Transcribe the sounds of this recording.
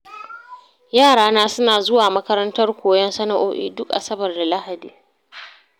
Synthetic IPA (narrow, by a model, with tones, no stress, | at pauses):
jaː˦˨ɽaː˦naː˦sʊ˦naː˨zʊ˦waː˨mɐ˦kɐ˦ɾɐ˦ntɐ˦rkʷoː˨jɐ˦nsɐ˦na˨ʔo̰ː˦ʔḭː˨dʊ˦kʔa̰˨sɐ˦bɐ˨rda˨la˦ha˨diː˨